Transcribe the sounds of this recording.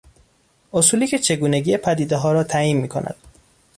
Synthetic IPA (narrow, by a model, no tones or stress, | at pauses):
ʔosuːliːcʰe̞t͡ʃʰe̞ɡuːneɡiːjepʰæd̪iːd̪eɦɒːɾɒːt̪ʰæiːnmiːkʰo̰nʔæ̰d̪̥